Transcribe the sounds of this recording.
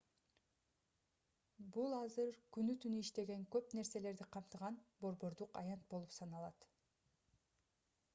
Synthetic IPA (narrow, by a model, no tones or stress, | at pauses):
bulˠɑzɯɾkynyt̪ynyiʃt̪e̞ɡe̞ŋkø̞pne̞ɾse̞le̞ɾd̪iqʰɑmt̪ɯʁɑnbo̞ɾbo̞ɾd̪uqɑ̰jɑnt̪̚bo̞lˠupsɑnɑlˠɑt̪